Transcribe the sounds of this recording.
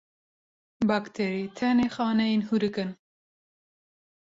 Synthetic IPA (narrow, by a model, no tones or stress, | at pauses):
bɑkt̪ʰeɾit̪ʰɛnexɑːnɛjenhuɾɨkɨn